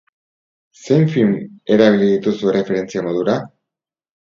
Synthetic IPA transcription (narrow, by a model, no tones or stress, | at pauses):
se̞ɱfilme̞ɾaβiliðit̪usuere̞fe̞ɾe̞nt͡siamo̞ðuɾa